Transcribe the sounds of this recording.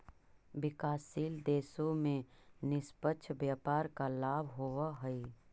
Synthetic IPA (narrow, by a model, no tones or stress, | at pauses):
bɪkaːsiːld̪eːsõmẽnɪspətːʃʰbjaːpaːɾkalaːbʱɦoːʋaɦəi